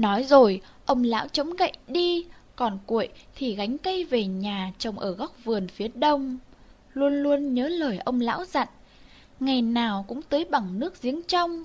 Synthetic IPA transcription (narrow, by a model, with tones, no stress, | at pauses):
nɔ˨˦jzo˨˩j | ʔə˧wŋ͡mla̰ː˧˥wt͡ɕə˨˦ŋ͡mɣə̰˧˨jɗi˧kɔ˨˩nkwḭ˧˩ə˨jt̪ʰi˨˩ɣa˨˦jŋ̟kə˧jve˨˩ɲaː˨˩t͡ɕə˨˩wŋ͡mʔəː˧˩ɣa˦˥k͡p̚vɨ˨˩ənfi˨˦əɗə˧wŋ͡m | lu˧ənlu˧ənɲəː˨˦ləː˧˩jʔə˧wŋ͡mla̰ː˧˥wza̰˧˨ŋ | ŋa˨˩jnaː˨˩wkʊ̰˧˥ŋ͡mt̪əː˨˦jɓa˨˩ŋnɨ˦˥ək̚zi˨˦ənt͡ɕa˧wŋ͡m